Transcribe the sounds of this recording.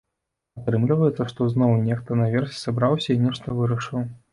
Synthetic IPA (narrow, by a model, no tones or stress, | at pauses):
at̪ɾɨmlʲivɐjɛt̪sːɐʂt̪ɔznɔwnʲɛxt̪ɐnavʲɛrsʲɛ̥sabɾawsʲɐinʲɛʂt̪ɐvɨɾɐʂɨw